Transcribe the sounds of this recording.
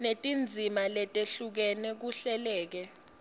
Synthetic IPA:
netʼind͡zʱimalɛtʼeɬuk̬ɛnɛk̬uɬɛlɛːk̬ɛ

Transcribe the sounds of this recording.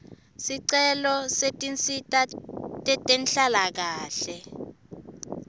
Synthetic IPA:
siǀɛlɔsetʼint͡sʼitʼatʼɛtʼenɬalak̬aːɬɛ

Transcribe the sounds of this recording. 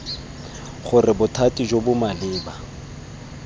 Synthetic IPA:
χʊrɪbʊtʰatʼid͡ʒobʊmalɪːba

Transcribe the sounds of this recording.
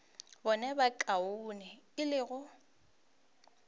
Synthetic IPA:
bɔnɛbakʼaʊnɛɪlɪɣʊ

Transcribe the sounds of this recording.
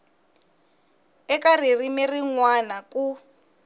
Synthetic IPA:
ɛkaririmiriŋwanaku

